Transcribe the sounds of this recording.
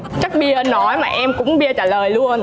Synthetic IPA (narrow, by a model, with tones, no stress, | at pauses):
t͡ɕə˦˥k̚ɓi˧əʔə˧nːɔ˨˦jmaː˨˩ʔɛ˧mkʊ̰˧˥ŋ͡mɓi˧ət͡ɕaː˧˩ləː˨˩jlu˧ən